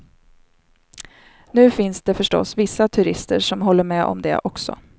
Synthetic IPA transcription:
nʉ̟ːfɪnsd̪ɛfœʂʈɔ̰svɪsːat̪ʰɵɾɪst̪ə̰ʂɔmɦɔlːəɾmɛʔɔ̰md̪ɛ̰ʔɔksɔ̰

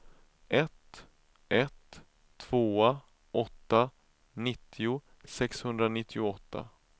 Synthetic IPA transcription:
ʔɛt̪ | ʔɛt̪ʰː | v̥oːa | ɔt̪ːa | nɪt̪ʰːɪʊ | sɛkshɵnd̪ɾanɪt̪ʰːɪʊɔt̪ːa̰

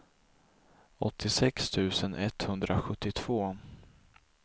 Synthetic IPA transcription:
ɔt̪ʰːɪsɛkst̪ʰʉ̟ːsənʔɛt̪hɵnd̪ɾʔaɧɵt̪ːɪt̪ʰv̥oː

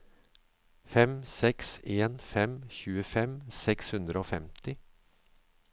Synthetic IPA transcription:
fɛmsɛkseːnfɛmçʉːəfɛmsɛkshʉnd̪ɾəoːfɛmt̪ɪ

